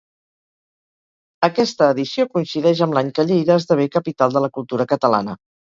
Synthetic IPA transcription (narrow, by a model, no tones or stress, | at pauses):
əkɛst̪əːðisiokuinsiðɛʒəmblaɲkəʎejðəːzðəβ̞ekəpit̪alˠd̪ələkulˠt̪uɾəkət̪əla̰nə